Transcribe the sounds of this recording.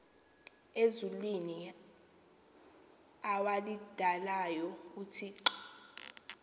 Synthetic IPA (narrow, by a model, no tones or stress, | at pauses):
ezulwini | awalid̥ʱalajɔutʰiːǁɔ